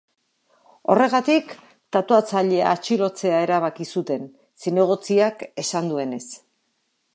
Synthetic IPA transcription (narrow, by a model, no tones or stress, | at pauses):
o̞re̞ɣ̞at̪ik | t̪at̪oat͡saʎe̞a̰ːt͡ʃilo̞t͡se̞ae̞ɾaβ̞akisut̪e̞n | sine̞ɣ̞o̞t͡siake̞sand̪ue̞ne̞s